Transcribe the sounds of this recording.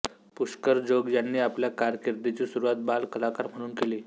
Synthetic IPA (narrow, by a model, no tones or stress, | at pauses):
puʂkəɾd͡ʑoɡjanːiːapljakaɾkeɾd̪et͡ɕiːsuɾuʋat̪̚balkəlakaɾm̤əɽ̃uːnkele